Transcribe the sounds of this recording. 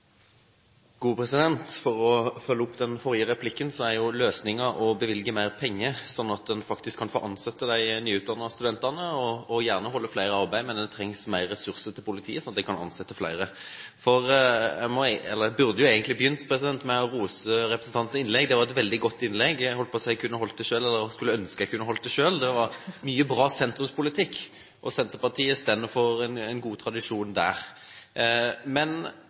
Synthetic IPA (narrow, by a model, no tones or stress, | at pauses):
ɡ̥uːpʰɾɛsɪd̪ɛnt̪fɔɾɔfœlːəʊpd̪ɛnfɔʁjəʁɛpʰlɪkːənsɔæɾjʊløːsnɪŋəɔbəʋɪlɡəmæɪʁpʰɛŋːəsɔnːɑt̪̚d̪ɛnfɑkt̪ɪskʰːɑnfoːʔɑnsɛt̪ːəd̪æɪnyːʉːt̪d̪ɑnːəst̪ʉd̪ɛnt̪ɑnəɔːjæːʁnəɦɔlːəflæɪɾəɑʁbæɪmɛnd̪ɛnt̪ʰɾɛŋsmæɪʁːɛsʉʁsəɾt̪ʰɪlpʊlɪt̪ʰḭːəsɔnɑt̪̚d̪æɪkʰɑnɑ̰nsɛt̪ːəflæ̰ɪɾəfɔɾæmɔɛlːəæbʉɾd̪əjʊeːɡənt̪lɪbəjʏnt̪pʰɾʁɛsɪd̪ɛnt̪mɛɔɾuːsəɾɛpɾəsn̩t̪ʰɑnt̪sn̩ɪnlɛɡd̪ɛʋɑɾɛt̪ʋɛld̪ɪɡɔt̪ːɪnlɛɡhɔlt̪pɔsæɪkʰʉnːəhɔlt̪̚d̪æɪʃøːlɛlːəɾskʉlːəœnskəæɪkʰʉnːəɦɔlt̪̚d̪æɛʂøːld̪ɛʋɑɾmyːəbɾɑːsɛnt̪ɾʉmspʰʊlɪt̪ʰɪkː | ʔɔsɛnt̪əpɑʁt̪ʰiːəst̪ɛnːəfɔɾɛnɛnɡuːt̪ʰɾɑd̪ɪʂuːnd̪æ̰ːʁ | mɛn